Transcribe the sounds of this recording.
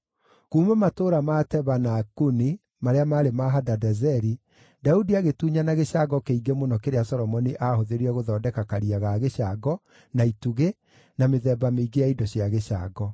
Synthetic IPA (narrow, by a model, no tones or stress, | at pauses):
kuːmɛmatoːɾamatɛβanakuni | maɾeamaːɾemaɦadadɛzɛɾi | daudiaɣetuːɲanaɣeɕaɡɔkeiɡemonɔkeɾeasɔɾɔmɔniʔaɦoðeɾiɛɣoðɔːdɛkakaɾiaɣaːɣeɕaɡɔ | naituɣe | nameðɛːbameiɡeaidɔɕjaɣea̰ːɡɔ